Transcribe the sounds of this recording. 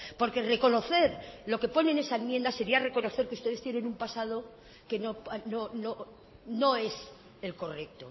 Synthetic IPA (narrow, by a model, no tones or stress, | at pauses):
po̞ɾke̞re̞ko̞no̞θe̞ɾlo̞ke̞po̞ne̞ne̞saenmje̞nd̪ase̞ɾiare̞ko̞no̞θeɾkeust̪e̞ð̞est̪jene̞numpasað̞o̞ | ke̞nopanono | no̞e̞s | e̞lko̞rek̚t̪o